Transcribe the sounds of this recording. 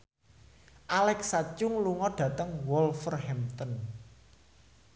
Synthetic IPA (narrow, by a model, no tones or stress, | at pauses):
ʔalɛksat͡ʃʊŋluŋɔɖ̥ä̤t̪əŋwɔlfərhɛmt̪ɔn